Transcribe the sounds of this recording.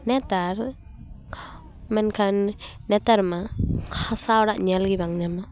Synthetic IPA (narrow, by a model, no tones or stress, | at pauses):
nɛtaɾ | mɛnkʰannɛtaɾmakʰasawɾaʔɲalɡibaŋɲama